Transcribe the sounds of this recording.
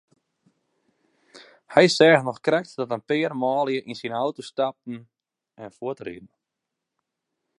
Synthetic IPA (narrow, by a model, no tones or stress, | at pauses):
hɛjsɛːxnɔxkrɛk̚tdɔtənpɪərmɔːlˠjəʔinsinawtustap̚n̩ | ɛnfuətrḭdn̩